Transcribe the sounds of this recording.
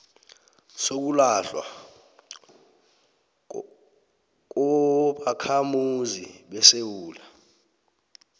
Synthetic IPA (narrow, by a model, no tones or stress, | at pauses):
sok̬ulaɬwa̰ | k̬ɔɓakʰamuziɓɛsewuːla